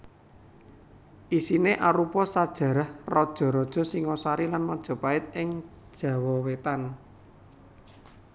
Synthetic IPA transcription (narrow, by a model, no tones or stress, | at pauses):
ʔisineʔaɾupɔsad̥ʒ̥ä̤ɾahrɔd̥ʒ̥ɔ̤ɾɔd̥ʒ̥ɔ̤siŋɔsaɾilanmɔd̥ʒ̥ɔ̤paɪt̪̚ɪŋ | d̥ʒ̥ä̤wɔwet̪an